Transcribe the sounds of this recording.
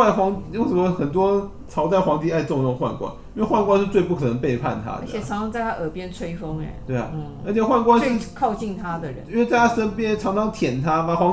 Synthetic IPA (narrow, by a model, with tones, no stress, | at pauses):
a˥˩xwɑ˧˥ŋjŋʂə˨˥mə˦˥xə˨˩nt̪̬wɔ˥ | ʈ͡ʂʰɑ˧˥ʊt͡sa˥˩ɪxwɑ˧˥ŋt̪ʰi˨˥a˥˧ɪʈ͡ʂʊ˥˧ŋjŋxwa̰˥˩nkwa̰˥˦ni˥nwe˥˧ɪxwa˥˧nkwa˥nʂɻ̩˥˧t͡swe˥˧ɪpu˥˩kʰɤ˨˩nə˧˦ŋpe˥˧ɪpʰa̰˥˨˩nt̪ʰa̰˥də˧ə˨t͡ɕʰjɛ˨˩˧ŋsɑ˧˥ŋt͡sa˥˩ɪt̪ʰa˥ʔə˨˩pjɛ˥nt͡sʰwe˥ɪfo˥ŋɛ̰˨˩t̪we˥˩ɪa̰˨˩˥ə˧˥t͡ɕʰjɛ˨˩xwa˥˩nkwa˥n̩˥kʰɑ˥˧ʊt͡ɕi˥˩ŋt̪ʰa˥d̪ə˨ɻə̰˧˦i˥nwe˥˧t͡sa˥˧ɪt̪ʰa˥ʂə˥npjɛ˥˨nʈ͡ʂʰɑ˧˥ŋʈ͡ʂʰɑ˧˥ŋt̪ʰjɛ˨˩nt̪ʰa˥pa˨˩xwɑ˧˥ŋ